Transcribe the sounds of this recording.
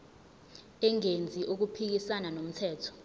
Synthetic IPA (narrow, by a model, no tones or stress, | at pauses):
ɛŋend͡zʱiʔuk̬upʰik̬isananom̩tʰɛːtʰɔ̥